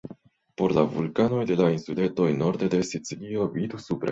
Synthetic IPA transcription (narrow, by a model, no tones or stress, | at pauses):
po̞ɾlavṵlkano̞jd̪e̞lainsule̞nt̪o̞jno̞ɾd̪ed̪e̞sit͡silio̞vid̪usupɾa̰